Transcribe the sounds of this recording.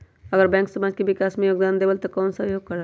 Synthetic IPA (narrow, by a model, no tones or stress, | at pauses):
əɡəɾbɛ̃ːŋksəmaːd͡ʒkeʋɪkaːsmẽjoːɡd̪aːnd̪ebəlt̪okɔːnsəɦjoːɡ̚kəɾa